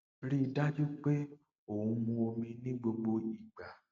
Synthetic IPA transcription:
ɾi˦da˦d͡ʒu˦k͡pe˦ | o˨ũ˧mũ˧o˧mĩ˧nĩ˦ɡ͡bo˧ɡ͡bo˧i˨ɡ͡ba˨

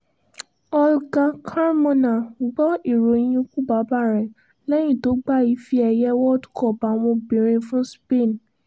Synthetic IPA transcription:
ɔ˧lɡa˧kʰa˦ɾmɔ̃˧nã˨ɡ͡bɔ˦i˦˨ɾo˨j̃ĩ˧ku˦ba˨˦ba˦˨ɾɛ˨ | lɛ˦j̃ĩ˦˨to˨˦ɡ͡ba˦i˨˦fi˧˦ɛ˧jɛ˦wɔ˦dkɔ˦˨pa˨w̃ɔ̃˧bĩ˨ɾ̃ĩ˧fũ˦spe˦˨n

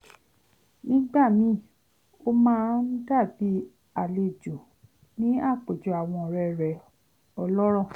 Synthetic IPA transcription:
nĩ˦ɡ͡ba˦˨mĩ˨˦ | o˦mãː˦n̩˦da˦˨bi˨˦ | a˨le˧˨d͡ʒo˨ | nĩ˦a˦˨k͡pe˨d͡ʒu˨˦a˨w̃ɔ̃˧ɔ˨ɾɛ˧˨ɾɛ˨ | ɔ˧lɔ˦ɾ̃ɔ̃˦˨

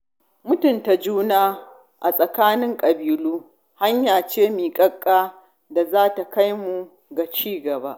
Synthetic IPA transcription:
mʊ˦tʊ˨nta˨d͡ʒuː˦naː˦ | ʔa˨sʼɐ˨kaː˦nɪ˦ŋkʼɐ˨biː˨luː˦ | ha˦ɲjaː˨t͡ʃeː˦miː˨kʼɐ˦kʼːaː˦ | da˨zaː˦ta˨ka˦jmu˨ | ɡa˨t͡ʃiː˦ɡɐ˨ba˦ʔ

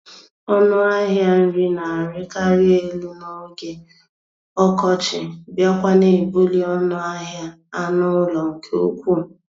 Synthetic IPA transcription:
ɔ˦nʊ˦a˦ɦja˦n̩˦ɾi˦na˨ɾɪ˦ka˦ɾɪ˦e˦lu˦no˦ɡe˦ | ɔ˦kɔ˦t͡ʃɪ˨bja˦kʷa˦ne˨bo˦li˦ɔ˦nʊ˦a˦ɦja˦ | a˦nʊ˦lɔ˨ŋ̩˨kʰe˦o̰˦kʷu˦˨

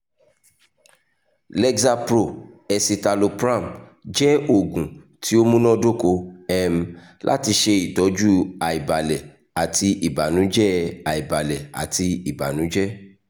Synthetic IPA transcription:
lɛ˧ɡza˧pɾo˦˨ɛ˧si˧ta˧lo˧pɾã˦˨md͡ʒɛ˦o˨ɡũ˨ | tʰi˨˦o˦mũ˦nɔ̃˦do˦ko˧ɛ˧m̩˦ | lʔa̰˦ti˧ʃe˧i˨tɔ˨˦d͡ʒu˦a˨i˨ba˨lɛ˨ | a˨ti˧ʔi˨ba˨nũ˨˦d͡ʒɛ˦a˨i˨ba˨lɛ˨a̰˨ti˧i˨ba˨nũ˨˦d͡ʒɛ˦

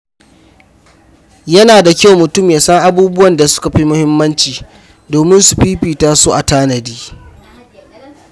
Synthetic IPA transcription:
jɐ˦naː˨da˨kʲa˦˨wmʊ˨tʊ˦˨mjaː˨sɐ˦ŋʔa˨buː˦bʊ˦wɐ˨nda˨sʊ̥˦ka˨ɸi˦mʊ˦hɪ˦mːɐ˦nt͡ʃiː˨ | doː˨mɪ˦nsu˨ɸiː˦ɸiː˨taː˦soː˦ʔa˨taː˦nɐ˨diː˦

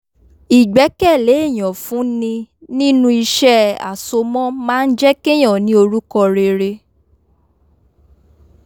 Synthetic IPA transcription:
i˨ɡ͡bɛ˨˦kɛ˦˨le˨˦i˦˨j̃ɔ̃˨fũ˨˦nĩ˧ | nĩ˦nũ˦i˧ʃɛ˦a̰˨so˧mɔ̃˦mãː˦˧n̩˦d͡ʒɛ˦ke˦j̃ɔ̃˦˨nĩ˨˦o˧ɾu˦kɔ˧ɾe˧ɾe˧

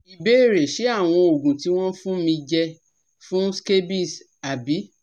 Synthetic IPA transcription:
i˨be˦e˦˨ɾe˨ʃe˨˦a˦˨w̃ɔ̃˧o˨ɡũ˨ti˨˦w̃ɔ̃˦fũ˦mĩ˧d͡ʒɛ˧ | fũ˦ske˦bi˦˨s | a˨bi˨˦

